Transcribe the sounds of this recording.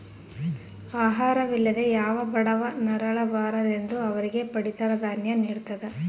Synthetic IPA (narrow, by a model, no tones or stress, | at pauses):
aːɦaːɾɐʋilːɐd̪e̞jaːʋɐbɐɽɐʋɐnɐɾɐɭɐbaːɾɐd̪e̞nd̪uɐʋɐɾiɡe̞pɐɽit̪ɐɾɐd̪aːnjɐniːɽut̪ːɐd̪e